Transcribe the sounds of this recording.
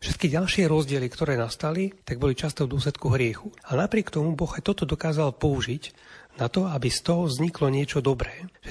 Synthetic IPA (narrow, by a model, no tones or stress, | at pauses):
fʃɛt̪kiɟalʃɪɛɾɔzɟɪɛlikt̪ɔɾɛːnast̪alit̪aɡ̚bɔlit͡ʃast̪ɔʊd̪ʊɔs̬lɛt̪̚kuɦɾɪɛxuanapɾɪɛkt̪ɔmubɔɣajt̪ɔt̪ɔd̪ɔkaːzalpɔuʒic | nat̪ɔabist̪ɔɦɔvzɲiklɔɲɪɛt͡ʃɔd̪ɔbɾɛːʃɛ